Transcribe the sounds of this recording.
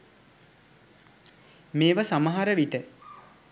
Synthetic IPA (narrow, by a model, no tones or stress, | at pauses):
meːʋasaməɦaɾəʋiʈə